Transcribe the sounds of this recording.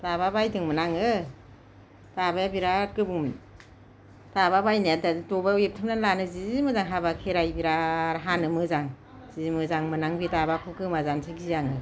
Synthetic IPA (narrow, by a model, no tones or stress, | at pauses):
tababajdɯŋmɯnaŋɯ | tabajabiɾakɯbum | taβabajnajattɔbaujep̚tʰɯmnanlanɯziimɯzaŋɦabakʰeɾajbiɾaɾɦanɯmɯzaŋ | zizimɯzaŋmɯnaŋbitabakʰɯkɯmazansʰɯɡijaŋɯ